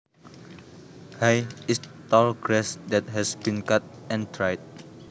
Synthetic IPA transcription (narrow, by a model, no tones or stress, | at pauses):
hajistɔlɡɹɛsdɛt̚ɦɛsbĩnkat̚ɛ̃ntʰɹajd̚